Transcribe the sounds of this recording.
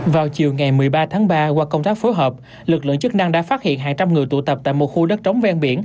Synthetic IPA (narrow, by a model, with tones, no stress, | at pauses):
vaː˨˩wt͡ɕi˨˩əwŋa˨˩jmɨ˨˩əjɓaː˧t̪ʰaː˨˦ŋɓaː˧kwaː˧kə˧wŋ͡mt̪aː˦˥k̚fo˨˦jɦəː˨˩p̚ | lɨ˨˩k̚lɨ̰˧˨ŋt͡ɕɨ˦˥k̚na˧ŋɗa̰ː˧˥faː˦˥t̚hḭ˧˨ənɦaː˨˩ŋt͡ɕa˧mŋɨ˨˩əjt̪u˧˩t̪ə˨˩p̚t̪a̰ː˧˨jmo˨˩t̚xu˧ɗə˦˥t̚t͡ɕə˨˦wŋ͡mvɛ˧nɓḭ˧˩ən